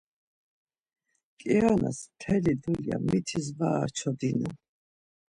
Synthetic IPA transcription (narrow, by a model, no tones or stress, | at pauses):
kʼiana̰st̪ʰɛlid̪ulja̰mit̪ʰizvaːɾt͡ʃʰɔd̪inu